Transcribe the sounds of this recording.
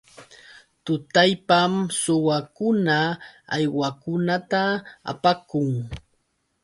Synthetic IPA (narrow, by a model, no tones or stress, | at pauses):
t̪ʊt̪ajpamsʊwakʊnaa̰jwakʊnat̪aa̰pakʊŋ